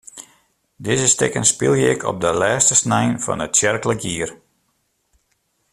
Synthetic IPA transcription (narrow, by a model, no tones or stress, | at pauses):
dɪzəstɪkənspɪlˠjəɪkʰɔ̰p̚dəlɛːstəsnɛjnfɑ̰nətsjɛrkələkjiːər